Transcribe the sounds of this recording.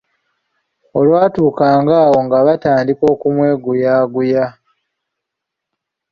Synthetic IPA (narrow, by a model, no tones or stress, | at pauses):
o̞lwaːtuːkaːŋɡaːwo̞ŋɡaβataːndiko̞ːkumwe̞ːɡujaːɡuja